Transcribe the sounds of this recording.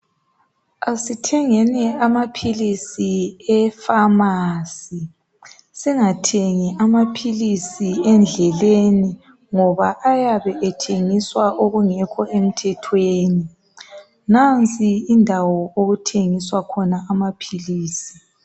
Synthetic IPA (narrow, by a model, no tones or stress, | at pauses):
asitʰɛŋɛnɛamapʰilisiɛfamasi | siŋatʰeŋiʔamapʰilisiɛnd͡ɮʱɛleni | ŋɔβaʔajaβɛʔɛtʰeŋiswaʔoɣuŋɛkʰɔʔem̩tʰɛtʰweːni | nant͡sʼiindʱawɔoɣutʰeŋiswakʰɔnaʔamapʰiliːsi̥